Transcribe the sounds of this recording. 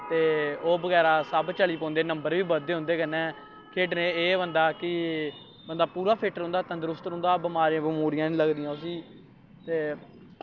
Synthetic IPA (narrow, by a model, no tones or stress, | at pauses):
t̪eːoːbəɡɛːɾaːsəbt͡ʃəɭiːpɔ̃ːnd̪eːnəmbəɾʋiːbəd̪eːɦʊ̃nd̪eːkənːɛ̃ː | kʰeːʈneːeːʋənd̪aːkɪ | bənd̪aːpuːɾaːpʰɪːʈəɾɦʊ̃nd̪aːt̪ənd̪əɾʊst̪ɾɦʊ̃ːnd̪aːbəmaːɾjãːbəmuːɾɪjãːnĩːləɡd̪ɪjãːsiː | t̪eː